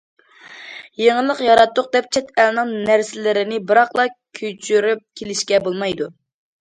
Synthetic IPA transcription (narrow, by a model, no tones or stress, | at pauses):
jeŋəlˠəqjɑɾɑt̪ːʊq̚d̪ɛp̚t͡ʃʰɛt̪ælnɨŋnæɾsɪlɪɾɪnɪbɨɾɑχlˠɑkʲʰøt͡ʃʰyɾyp̚kʲʰelɪʃkʲɛbolˠmɑjd̪u